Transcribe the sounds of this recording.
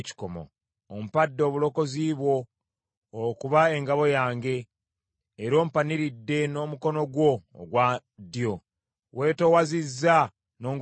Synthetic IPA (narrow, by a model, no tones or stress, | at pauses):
ci̥komo̰ | om̩padːo̞ːβulo̞ko̞ziːβwo̞ː | kuβae̞ŋɡaβo̞jaːŋɡe̞ː | ɾo̞ːm̩paniɾidːe̞no̞ːmuko̞no̞ɡwo̞̰ːɡwa | djo̞ | we̞ːtowazizːa | no̞ːŋɡ